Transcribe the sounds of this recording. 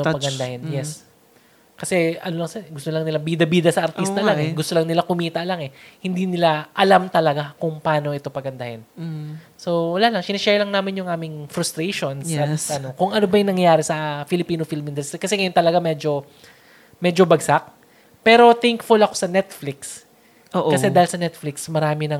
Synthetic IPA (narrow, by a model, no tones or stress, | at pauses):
opɐɡɐnd̪ahɪnjɛs | kɐsɛʔɐnolɐŋsɡʊst̪olɐŋnɪlabid̪ɐbiːd̪ɐsɐʔɐɾt̪ist̪ɐlaŋɛɡʊst̪olɐŋnɪlakʊmiːt̪ɐʔlaŋɛhɪnd̪inɪlaʔɐlamt̪ɐlɐɡakʊŋpɐʔaːno̞ʔɛt̪o̞pɐɡɐnd̪ɐhɪn | so̞wɐlaːlɐŋsɪnɐʃɛɹlɐŋnaːmɪnjʊŋʔaːmɪŋfɾʊst̪ɾeʃonsɐt̪sɐnokʊŋʔɐnobɐjʊŋnɐŋjaːɾɛsɐfɪlɪpiːnofilmɪnd̪ɛlst̪ɾikɐsɛŋɐjont̪ɐlɐɡamɛd͡ʒo̞ | mɛːd͡ʒo̞bɐɡsak̚ | pɛːɾo̞t̪ɛŋkfʊlɐko̞sɐnɛt̪flɪks | oːʔkːɐsɛd̪aːhɪlsɐnɛt̪flɪksmɐɾaːmɪnɐŋ